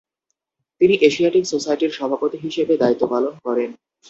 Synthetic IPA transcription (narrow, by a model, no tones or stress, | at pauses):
t̪iniʔeʃiaʈiksosajʈiɾʃɔbʱapot̪iɦiʃebed̪ait̪ːopalonkɔɾen